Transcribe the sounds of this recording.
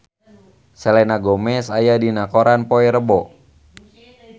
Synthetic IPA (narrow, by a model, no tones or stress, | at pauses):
sɛlɛnaɡɔmɛsajadinakɔɾanpoɛɾəbɔ